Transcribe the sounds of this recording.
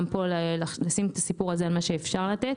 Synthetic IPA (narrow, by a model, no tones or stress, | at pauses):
mpolllasimet̪asipuʁazealmaʃeːfʃaʁlat̪et